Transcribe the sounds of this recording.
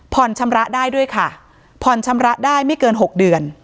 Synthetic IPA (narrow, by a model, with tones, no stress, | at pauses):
pʰɔ˨˩nt͡ɕʰa˧mɾa˦˥ʔdaː˥˩jdu˥˩əjkʰa˥˩ | pʰɔ˨˩nt͡ɕʰa˧mɾa˦˥ʔdaː˥˩jma˥˩jkɤː˧nɦo˨˩k̚dɯ˨˩ən